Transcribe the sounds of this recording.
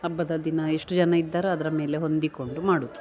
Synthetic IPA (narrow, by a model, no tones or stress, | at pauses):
ɐbːɐd̪ɐd̪inɐeʂʈud͡ʒɐnɐid̪ːaːɾeɐd̪ɐɾɐme̞ːle̞ɦo̞nd̪iko̞ɳɖumaːɽut̪ːu